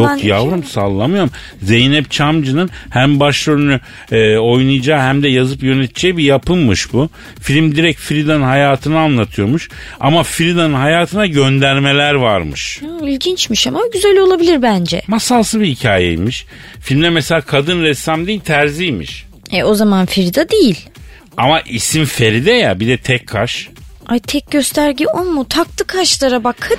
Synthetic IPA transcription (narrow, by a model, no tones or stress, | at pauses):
jokjavɾɯmsalˠːamɯjo̞ɾm | ze̞jnɛp̚t͡ʃʰamd͡ʒɯnɯnhæmbaʃløɾyny | o̞jnujd͡ʒaːhæmd̪ɛjazɯpjø̞net̪ʰid͡ʒɛjbijapʰɯnmɯʃbu | filʲimd̪iɾɛc̚fiɾid̪anɯnɦajaːt̪ʰɯnɯanlːˠat̪ʰɯjo̞muʃ | a̰mafɾid̪anɯnhɦajaːt̪ʰɯnaɟø̞nd̪æɾme̞lʲæɾvaɾmɯ̰ʃailʲɟint͡ʃmiʃamaɟyzælʲo̞lˠabilʲiɾbænd͡ʒɛ̰masaːsɯbihicʰa̰ːjḛjmiʃ | filʲmd̪ɛmɛselʲaːkʰad̪ɯnɾɛsamd̪iilʲt̪ʰæɾzijmḭʃ | ɛo̞zamanfiɾid̪ad̪ejilʲ | amaʔisimfe̞ɾid̪ɛjabid̪ɛt̪ʰɛcʰːaʃ | ajt̪ʰɛc̚ɟø̞st̪ʰæɾɟiolˠmut̪ʰak̚t̪ʰɯkʰaʃlˠaɾabakʰɯn